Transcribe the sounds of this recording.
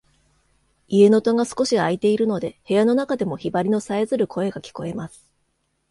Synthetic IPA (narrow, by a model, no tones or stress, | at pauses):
ie̞no̞t̪o̞ŋasɨ̥ko̞ɕiait̪e̞iɾɯ̟no̞d̪e̞he̞jano̞nakad̪e̞mo̞çibaɾʲino̞saezɨɾɯ̟kʰo̞e̞ɡakʲi̥ko̞e̞masɨ̥